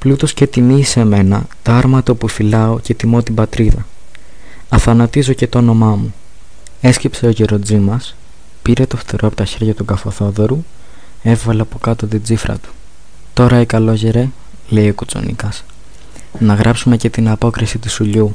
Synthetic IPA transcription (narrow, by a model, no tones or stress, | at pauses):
plut̪o̞sce̞t̪iniise̞me̞nɐt̪oɐɾmɐt̪opufilɐo̞ce̞t̪imo̞t̪ibɐt̪ɾiðɐ | ɐθɐnɐt̪izo̞ce̞t̪oono̞mɐmu | e̞scepse̞oʝeɾo̞d͡zimɐs | piɾe̞t̪o̞ft̪eɾoɐpo̞̥t̪ɐçe̞ɾʝɐt̪uɡɐfo̞θo̞ðo̞ɾu | e̞vvɐleɐpo̞kɐt̪o̞t̪id͡zifɾɐ̰t̪u̥ | t̪o̞ɾɐikɐlo̞ʝeɾe̞ | le̞io̞kut͡so̞̰nḭkɐs | nɐɣɾʔɐpsume̞ce̞t̪inɐpo̞kɾisit̪isuʎu